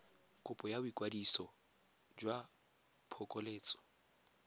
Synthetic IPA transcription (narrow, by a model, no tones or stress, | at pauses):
kʼʊpʼɔjabʊikʼwadisɔ | d͡ʒwa | pʰɔkʼɔleːt͡sʼɔ̥